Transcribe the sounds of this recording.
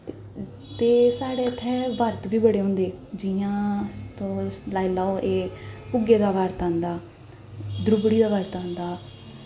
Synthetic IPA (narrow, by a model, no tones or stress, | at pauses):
t̪eːsaːɽeːət̪ʰːɛːʋəɾt̪biːbəɽeːɦʊ̃ːnd̪eːd͡ʒɪãːt̪õːslaːilaːoʔeːpʊɡeːd̪aːʋəɾt̪ãːnd̪aː | d̪ɾʊbɽiːd̪aːʋəɾt̪ãːnd̪aː